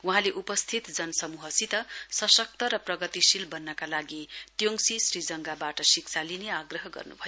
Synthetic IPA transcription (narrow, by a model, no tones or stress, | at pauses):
wuɦãleʔupʌst̪ʰit̪d͡zʌnʌsʌmuɦʌsit̪ʌsʌsʌk̚t̪ʌɾʌprʌɡʌt̪isilbʌnːʌkalaɡit̪joŋsisrid͡zʌŋɡabaʈʌsik̚t͡sʰalineaɡrʌɦʌɡʌ̰rnṵbʱʌjo